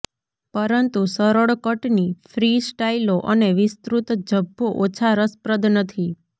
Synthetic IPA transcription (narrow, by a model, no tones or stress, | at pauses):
pəɾənt̪usəɾəɭkəʈnifʰɾisʈailoʔəneʋɪst̪ɾut̪d͡ʒəbʱːoʔot͡ʃʰaɾəspɾəd̪ʱnət̪ʰi